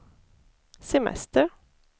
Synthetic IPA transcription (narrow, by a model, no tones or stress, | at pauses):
sɛmɛ̰st̪ə